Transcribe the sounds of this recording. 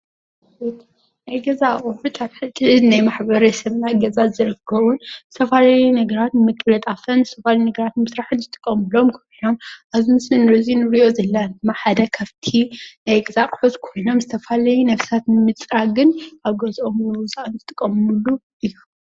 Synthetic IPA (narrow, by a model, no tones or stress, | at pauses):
it̪ | najɡɐzaʔoħut̪ʰaβħɨt̪ʼːɨɨd̪najmaħbɐɾɐsɐmnaɡɐzazɨɾɨkʰːɐβunzɨ̥t̪ʰɐfalajunɐɡɐɾat̪nɨmɨkʼːlɐt̪ʼafɐnzɨst̪ʰɐfalinɐɡɐɾat̪mɨsɾaħɨnzɨt̪ʼɨ̥kʼːɐmɨlo̞mkʰɐ | omʔazmɨsmɨnɾɐzinɨɾiʔo̞zɐlːand̪ɨmːaħad̪ɐkʰɐβt̪ʰinajɡɨzakʼħuzkʰo̞jno̞mzɨt̪ʰɐfalɐjunɐfsat̪nɨmɨt͡sʼɾaɡɨnʔaβɡɐzʔomnɨwʊzʼaʔɨnzɨt̪ʼɨkʼːɐmɨmulːu | ʔɨjːu